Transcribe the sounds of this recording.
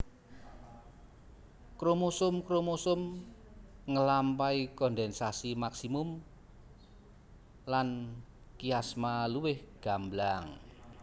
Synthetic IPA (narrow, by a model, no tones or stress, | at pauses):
kɾomosʊmkɾomosʊm | ŋəlampaikɔnd̪ɛnsasimaksimʊm | lan | kiasmaluwɪhɡ̥a̤mblaŋ